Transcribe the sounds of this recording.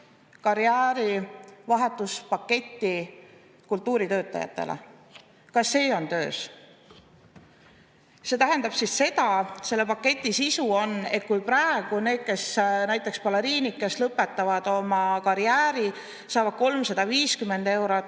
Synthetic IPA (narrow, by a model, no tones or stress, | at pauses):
kɑɾiæːɾivɑɦe̞t̪ːˑuspɑkːe̞t̪ʲːˑi | kult̪ːuːɾit̪ø̞ːt̪ːˑɑ̰jɑ̰t̪ːˑḛlʔḛ | kɑsːe̞ːo̞nt̪ø̞ːs | se̞t̪æɦe̞nd̪̥ɑb̥sisse̞d̪̥ɑse̞lːe̞pɑkːe̞t̪ʲˑːisisuo̞ne̞t̪̚kujprɑeɡ̥une̞ːd̪̥̚ke̞snæjt̪ːˑe̞kspɑleɾiːnikːe̞slɤpːe̞t̪ːˑɑvɑd̪̥o̞mɑkɑɾijæːɾi | sɑːvɑd̪̥̚ko̞lmsɑd̪̥ɑviːskymːe̞nd̪̥e̞wɾo